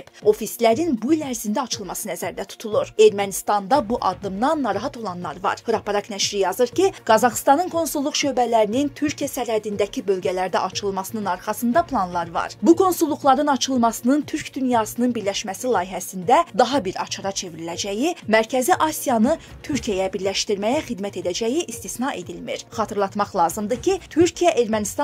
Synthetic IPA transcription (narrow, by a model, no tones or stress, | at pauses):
ib̥o̞fislæɾinbuilæɾzind̪æɑt͡ʃʰɯlˠmɑsɯnæzæɾd̪æt̪ʰu̥t̪ʰulˠuɾe̞ɾmænist̪ɑnd̪ɑbuʔɑd̪ːɯmd̪ɑnːɑɾɑɦɑt̪ʰo̞lˠɑnlˠɑ̰ɾvɑ̰ɾhɯɾɑpɑɾɑknæʃɾijɑzɯɾcʰiɡ̥ɑzɑχst̪ɑnɯnkʰo̞nsulˠːuχʃø̞bælæɾinint̪ʰyɾcʰijæsæɾhæd̪ind̪æcʰibø̞lɟælæɾd̪æ̰ʔɑt͡ʃʰɯlˠmɑsɯnɯnɑɾχɑsɯnd̪ɑpʰlˠɑnlˠɑɾvɑ̰ɾbukʰo̞nsulˠːuχlˠɑɾɯnɑt͡ʃʰɯlˠmɑsɯnɯnt̪ʰyɾcd̪ynjɑsɯnɯnbiɾlæʃmæsilˠɑːjiɦæsind̪æd̪ɑɦɑbiɾɑ̰t͡ʃʰɑɾɑt͡ʃʰe̞viɾilæd͡ʒæjimæɾcʰæziʔɑsijɑnɯ | t̪ʰyɾcʰijæjæbiɾlæʃt̪iɾmæjæχid̪mæt̪e̞d̪æd͡ʒæjiʔist̪isnɑʔe̞d̪ilmḭɾχɑt̪ʰɯɾlˠɑt̪mɑχlˠɑːzɯmd̪ɯcʰit̪ʰyɾcʰijæʔe̞ɾmænist̪